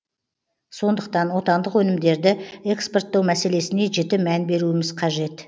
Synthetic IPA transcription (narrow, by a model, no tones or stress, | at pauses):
so̞nd̪əqt̪ɑnwo̞t̪ɑnd̪əqwɵnɪmd̪e̞ɾd̪ɪekspo̞rt̪ːɑwmæse̞le̞sɪne̞ʒet̪ɪmænbe̞ɾuɪmɪzqʰɑʒe̞t̪